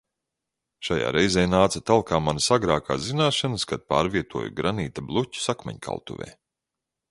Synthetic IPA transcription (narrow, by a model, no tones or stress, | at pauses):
ʃaja̰ːɾɛjzɛːjnaːt̪sɐt̪alˠkaːmanasaɡɾaːka̰ːzinaːʃanəskad̪̚pa̰ːɾviɛt̪uɔjṵɡɾaniːt̪ablˠucu̥sakmɛ̰ɲkʰa̰lˠt̪ṵvʲɛ̰ː